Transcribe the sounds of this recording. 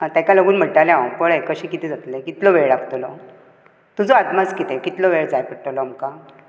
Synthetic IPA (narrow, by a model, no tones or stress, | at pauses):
at̪ãkaləɡuːnm̤əʈalẽpəɭekəɕiːkit̪ʰẽd͡zat̪lekit̪lɔʋeɭapt̪olɔ | t̪ud͡zɔad̪mat͡skit̪ekit̪lɔʋeɭd͡zajpəɽʈolɔamka